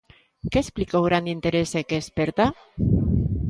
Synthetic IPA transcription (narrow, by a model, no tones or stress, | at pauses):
keːsplikowɣ̞ɾand̪int̪eɾesekeːspeɾt̪a